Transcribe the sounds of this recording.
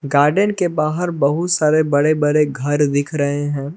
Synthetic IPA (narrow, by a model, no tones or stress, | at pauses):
ɡaːɾɖənkebaːɦəɾbɐɦʊt̪saːɾebɐɽebɐɾeɡʱɐɾd̪ɪkʰɾɐɦeɦɛ̃ː